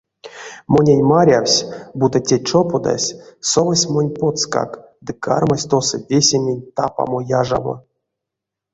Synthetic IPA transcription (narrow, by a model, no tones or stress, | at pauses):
monʲenʲmaɾʲawsʲbut̪atʲet͡ʂopod̪a̰sʲsovasʲmonʲpot̪ska̰k | d̪ɨka̰rmasʲt̪osɨvʲesʲemʲenʲt̪apa̰mojaʐa̰mo̰